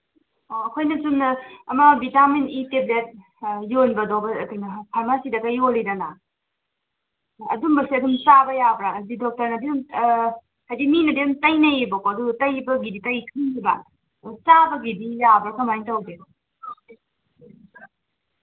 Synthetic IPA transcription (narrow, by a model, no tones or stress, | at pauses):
kʰojnɐsunɐmɐbitameniteblet̚ | jonbɐdowbɐkʰojnɐpʰaɾmasidɐɡɐjolidɐna | ɐdumbɐsiɐduŋt͡ʃabɐjabɾaːdidɔk̚tɐɾnɐbium | hajdiminɐdiumtɐjnɐjibɐkoɐdutɐjbɐɡiditɐjkʰɯŋibɐ̰ | t͡ʃabɐɡidijabɾakɐmajntawde